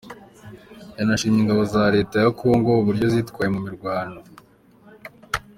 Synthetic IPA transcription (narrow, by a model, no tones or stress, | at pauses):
janaʃiːɲiŋɡaβo̞zaɾe̞ːtajakuoŋɡoβuɾɟo̞zitkwaːjemumiɾɡwaːndo